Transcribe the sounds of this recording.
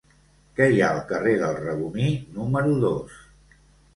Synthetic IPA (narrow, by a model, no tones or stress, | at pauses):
kɛjaəlˠkəreðəlˠrəβuninuməɾuðos